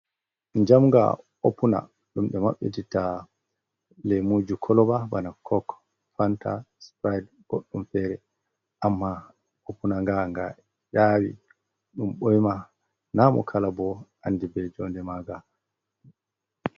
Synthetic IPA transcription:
ɲd͡ʒamŋɡa̰ | opuna̰ | ɗumɓɛma̰ɓːɛ̰tita | lɛmud͡ʒukʰɔlɔbabanakʰɔk | fantaspɾajd | ɡ̥oɗːumfɛɾɛ | ʔamːa | opunaŋɡaŋɡa | jaːwḭ | ɗumɓɔjma | namɔ̰kʰalabɔanːdibɛd͡ʒɔndɛmaɡa

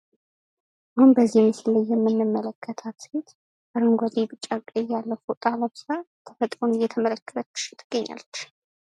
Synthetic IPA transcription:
ʔahunbəzːimɨsɨlːəjjːɛmːɨnːɨmːələkʰːət̪ʰat̪het̪ | bəɾɨŋɡʷazibɨt͡ʃʼːakʼːejːalːəfot̪ʼaləmsɾa | t̪ʰəfət̪ʼɾonjɛt̪ʰəmələkːə̥t̪ʰəkʰɨ̥ʃɪ̥t̪ʰːɨ̥ɡ̥ːəɲːa̰lːət͡ʃː

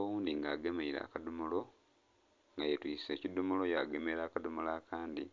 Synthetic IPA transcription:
wuːnd̪iŋɡaːɡe̞meiɾa̰ːkadumulo̞ | ŋɡajetwiːse̞ːcid̪umulo̞jaɡe̞meɾaːkadumulaːkʰaːndi

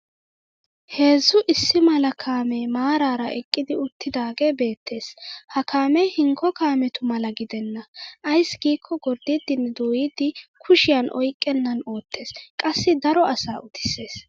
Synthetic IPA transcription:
he̞ːzːʊʔɪsːɪmɐlɐkʰaːmɛmaːɾaːɾɐʔɛkʼːɪd̪ɪʊt̪ːɪd̪aːɡɛbe̞ːt̪ːe̞ːshɐkʰaːmɛhɪŋkʰːɔkaːmɛt̪ʊmɐlɐɡɪd̪ɛnːɐʔɐjsɡiːkʰːɔɡɔɾd̪ɪd̪ɪnd̪oːjɪd̪ɪkʰʊʃɪjɐnʔɔ̰jkʼːɛnːɐno̞ːt̪ːe̞ːskʼɐsːɪd̪ɐɾɔʔɐsaːʔʊt̪ɪ̥sːe̞ːs

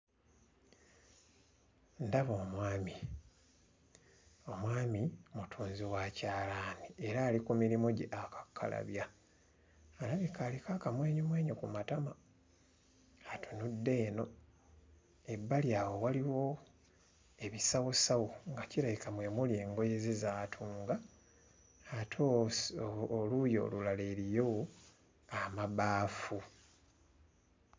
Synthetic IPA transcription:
ndaβoːmwaːmi | o̞mwaːmimutʰuːnziwaːcaːlaːnieɾaːlikumiɾimoɟeʔakḁkʰːa̰la̰βja | laβjikalikakamwe̞ːɲomwe̞ːɲokumatama | atunudːe̞ːno̞ | e̞bːaljaːwo̞waliwo̞ | e̞βisawosawoŋɡaciɾajikamwe̞mulje̞ːŋɡo̞jezizaːtʰuːŋɡa | tʰoː | lujo̞̰ːlulaleːɾijo | amaβaːfu

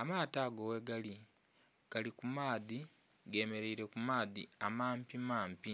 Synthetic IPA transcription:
amaːtaːɡowe̞ɡali | ɡ̥alikumaːði | ɡe̞ːme̞ɾeiɾe̞kumaːðḭamaːmpimaːmpi

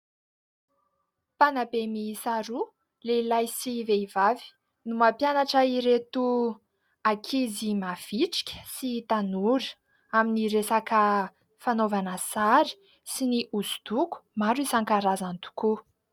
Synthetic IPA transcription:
panabemisaɾu | leilajsiveivavi̥ | numapjanaʈ͡ʂəiɾet̪u | akʰizimav̥iʈ͡ʂi̥kʲə̥sit̪anuɾə̥ | aminiɾesakə | fanovanəsaɾi̥ | siniʔuzu̥d̪̥uku̥maɾuisaŋkaɾazant̪u̥ku

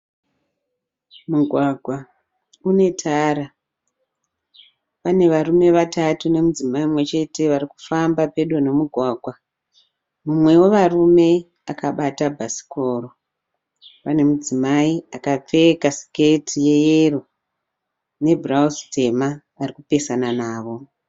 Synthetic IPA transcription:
muɡʱwaɡʱwa | une̞tʰaːɾa | pane̞ʋarume̞ʋatatune̞mud͡zimaimwe̞t͡ʃe̞te̞ʋaɾiku̥fambape̞ɗo̞ne̞muɡʱwaːɡʱwa | mumwe̞woʋarume̞ | akaɓatabʱasi̥koːro | pane̞mud͡zimaiakap͡fe̞kasi̥ketʰije̞jeru | ne̞bʱrauste̞maː | rikupe̞sananaːʋo̞

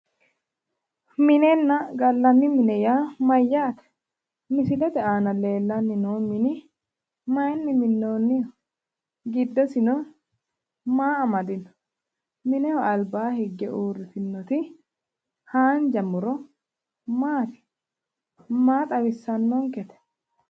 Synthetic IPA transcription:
mɪnɛnːɐɡɐlːɐnːɪmɪnɛjaːmɐjːaːt̪ɛ̥ | mɪsɪlɛt̪ɛaːnɐle̞ːlːɐnːɪnoːmɪnɪ | mɐjnːɪmɪnːoːnːɪ | ɡɪd̪ːɐsɪnɔ | maːɐmɐd̪ɪnɔ̥ | mɪnɛɔɐlbaːhɪɡːɛʔuːrːɪt̪ɪnːɔt̪ɪ | haːnd͡ʒɐmʊɾɔ | maːt̪ɪ̥ | maːt̪ʼɐwɪsːɐnːɔŋkɛt̪ɛ̥

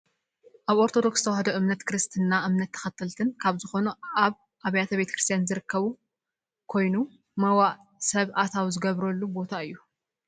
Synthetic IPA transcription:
ʔaβo̞ɾt̪ʰo̞d̪o̞kst̪ʰɐwhɐd̪ɐʔɨmnɐt̪kʰɾɨst̪ʰɨnːaʔɨmnɐt̪ʰːɐ̥xɐt̪ʰːɨlt̪ʰɨnkʰaβzɨxo̞nuaβ | ʔaβɐjat̪ʰɐβe̞t̪ʰɐkɾɨst̪ʰjanzɨɾɨkːɐβu | kʰo̞jnu | mɐwaʔ | sɐβʔat̪ʰawzɨɡɐβɾɐlːubo̞t̪ʰaɨjːu

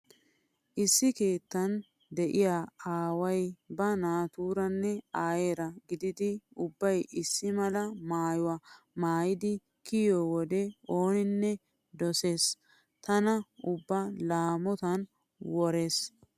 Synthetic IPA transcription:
ʔɪsːɪke̞ːt̪ːɐn | d̪ɛʔɪjaːaːwɐjbɐnaːt̪uːɾɐnːɛaːjeːɾɐɡɪd̪ɪd̪ɪʊbːɐjɪsːɪmɐlɐmaːjʊwa | maːjɪd̪ɪ | kɪjowɔd̪ɛʔo̞ːnɪnːɛ | d̪ɔse̞ːs | t̪ɐnɐʊbːɐlaːmɔt̪ɐn | wɔɾeːs

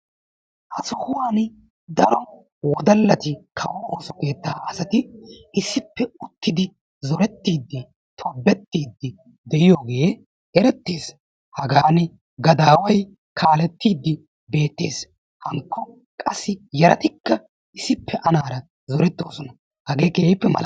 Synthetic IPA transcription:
ʔɐsɔhʊwaːn | d̪ɐɾɔ | wɔd̪ɐlːɐt̪ɪkʰɐwɔoːsɔke̞ːt̪ːaːʔɐsɐt̪ɪɪsːɪpːɛʊt̪ːɪd̪ɪ | zɔɾɛt̪ːiːd̪ːɪ | t̪ʰɔbːɛt̪ːiːd̪ːɪ | d̪ɛʔɪjoːɡe̞ː | ɛɾɛt̪ːe̞ːs | hɐɡaːn | ɡɐd̪aːwɐj | kʰaːlɛt̪ːiːd̪ːɪ | be̞ːt̪ːe̞̰ːs | hɐŋkːɔ | kʼɐsːɪjɛɾɐ̰t̪ɪkːɐ | ɪsɪpːɛʔɐnaːɾɐ | zɔɾɛt̪ːo̞ːsɔnɐ | hɐɡeːkeːɪpːɛmɐ̰lɐ

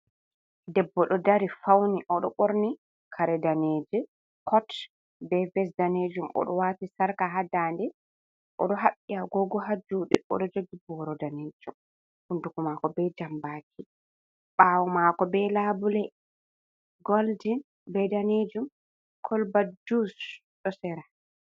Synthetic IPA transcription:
dɛbːɔɗɔdaɾifawniʔɔɗɔ̰ɓoɾni | kʰaɾɛdaneːd͡ʒɛ | kʰɔt | bɛvɛs̬daned͡ʒumʔɔ̰ɗɔwatisaɾkaɦadaːndɛ | ʔɔ̰ɗɔɦaɓːiaɡɔɡɔɦad͡ʒuɗḭɔ̰ɗɔd͡ʒoɡibɔɾɔdaneːd͡ʒum | hundukumakɔbɛd͡ʒambaːkʰi | ɓawɔmakɔbɛlabulɛ | ɡoldin | bɛdaned͡ʒum | kʰɔlbadus | ɗɔsɛɾa

